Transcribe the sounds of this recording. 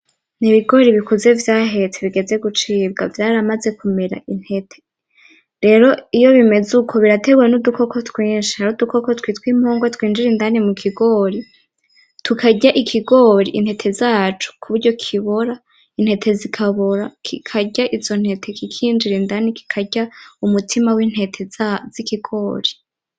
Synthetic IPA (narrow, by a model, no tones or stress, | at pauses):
niβiɡo̞ɾiβikuze̞vjaːɦe̞t͡seβiɡe̞ze̞ɡut͡ʃiːb̚ɡa̰vjaːɾamaze̞kume̞ɾa̰in̥he̞tʰe̥ | ɾe̞ːɾo̞ijo̞βime̞zukʰo̞βiɾate̞ɡuwenuduko̞ko̞tkwiːnʃihaɾudukoko̞twiːtwiːmhoːŋɡwetwiːnd͡ʒiɾindanimukʰiɡo̞ɾi | tʰukʰaɟaʔikʰiɡo̞ɾḭʔin̥hetʰe̞zaːt͡ʃu̥kʰuβuɾɟo̞kʰiβoɾa | in̥he̞tʰe̞zikʰaβoɾakʰikʰaɟaʔizo̞n̥he̞tʰe̞kikʰiːnd͡ʒiɾindaniki̥kʰaɟaumutʰimawiːn̥he̞tʰez̥ikiɡ̥o̞ːɾi